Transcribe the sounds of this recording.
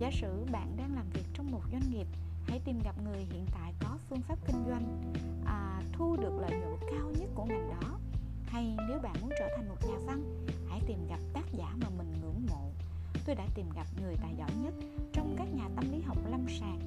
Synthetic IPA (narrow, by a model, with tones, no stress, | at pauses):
zaː˨˦sɨ̰˧˨ɓa̰ː˧˨nɗaː˧ŋlaː˨˩mvi˨˩ək̚t͡ɕɔ˧wŋ͡mmo˨˩t̚zwa˧jŋ̟ŋi˨˩əp̚ | ha̰˧˥jt̪i˨˩mɣa˨˩p̚ŋɨ˨˩əjɦḭ˧˨ənt̪a̰ː˧˨jkɔ˨˦fɨ˧əŋfaː˦˥p̚kï˧ŋ̟zwa˧jŋ̟ | ʔaː˨˩ | t̪ʰu˧ɗɨ˨˩ək̚lə̰ː˧˨jlɨ˨˦˥kaː˧wɲə˦˥t̚ku˧˩əmi˨˩ŋɗɔ˨˦ | ha˧jne˨˦wɓa̰ː˧˨nmu˨˦ənt͡ɕəː˧˩t̪ʰa˨˩ŋ̟mo˨˩t̚zaː˨˩fa˧n | ha̰˧˩jt̪i˨˩mɣa˨˩p̚t̪aː˦˥k̚zaː˧˩maː˨˩mï˨˩ŋ̟ŋɨ̰˧˥əŋmo̰˧˨ | t̪o˧jɗa̰ː˧˥t̪i˨˩mɣa˨˩p̚ŋɨ˨˩əjt̪a̰ː˧˨jzɔ̰˧˨jɲə˦˥t̚ | t͡ɕɔ˧wŋ͡mkaː˦˥k̚ɲaː˨˩t̪ə˧mli˨˦ɦa˨˩wk͡p̚la˧msaː˨˩ŋ̚